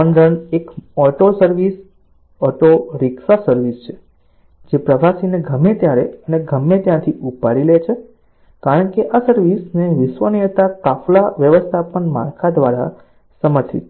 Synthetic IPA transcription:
ənd̪əɳekɔʈosəɾʋis | ɔʈoɾɪksasəɾʋist͡ʃʰe̥ | d͡ʒepɾəʋasineɡʱəmːet̪jaɾeəneɡʱəmːet̪jãt̪ʰiupaɾilet͡ʃʰe | kaɾəɳkeʔasəɾʋisneʋɪʃʋənijət̪akaflaʋjəʋəst̪ʰapəɳma̰ɾkʰad̪ʋaɾa̰ | səməɾsʰit̪

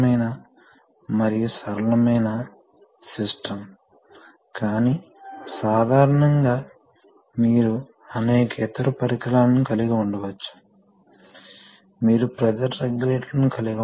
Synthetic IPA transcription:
mɐjnɐ | mɐɾijusɐɾɐlɐmɐjnɐ | sisʈʰɐm | kaːniː | saːd̪ʱaːɾɐɳɐŋɡaː | miːɾu | ɐneːkɐit̪ɐɾupɐɾikɐlaːnnikɐliɡɐːuɳɖɐʋɐt͡ʃːu̥ | miːɾupɾɐd͡ʒɐɾɾeɡleːʈlɐnukɐliɡɐ

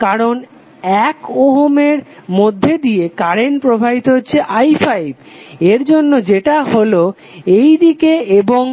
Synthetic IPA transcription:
kaɾon | ɛkoɦomeɾmod̪ʱːed̪ijekaɾenpɾobʱabit̪oɦotːɕʰeʔajfʰajib | eɾd͡ʑonːod͡ʑeʈaɦolo | ejd̪ikeeboŋ

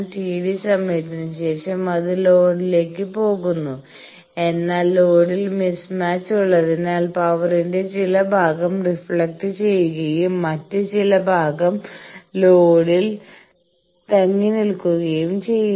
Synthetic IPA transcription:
ʈiːɽisɐmːɐjt̪ːinɨɕe̞ːʂɐmɐðɨlo̞ːɽile̞ːkːɨpo̞ːɣunːu | e̞nːaːlːo̞ːɽilmismaːt͡ɕːuɭːɐðinaːlpɐʋɐrinde̞t͡ɕilɐbʱaːɣɐmrifɭɐk̚ʈɨt͡ɕe̞jːuɣɐjumːɐtːɨt͡ɕilɐbʱaːɡɐmlo̞ːɽil | t̪ɐŋːinilkuɣɐjumt͡ɕe̞jː

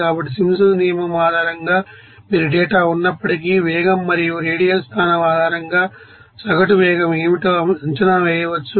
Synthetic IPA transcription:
aːbɐʈːisimsɐnijɐmɐmaːd̪ʱaːɾɐŋɡaː | miːɾuɖɛːʈaːunːɐpːɐʈik̬iːʋɛːɡɐmːɐɾijoɾeːɽijɐlst̪ʰaːnɐmaːd̪ʱaːɾɐŋɡaː | sɐɡɐʈuʋɛːɡɐmeːʋiʈɐɐɲt͡ʃɐnaːʋɛːjɐʋɐt͡ʃːu

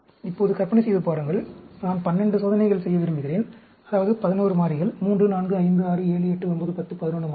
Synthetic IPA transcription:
ɪpːoːðɯkɐɾpɐnɐsɛjðɯpaːɾɯŋɡɐɭnaːnpɐnːɛɳɖɯsoːðɐnɐɪɣɐɭsɛjːɐʋɪɾɯmbɪɣɪɾeːn | ɐðaːʋɐðɯpɐðɪnoːrɯmaːrɪɣɐɭmuːndrɯnaːnɡɯɐɪnd̪ɯaːɾɯeːɭɯɛʈːɯɔnbɐðɯpɐt̪ːɯpɐðɪnoːnɯmaː

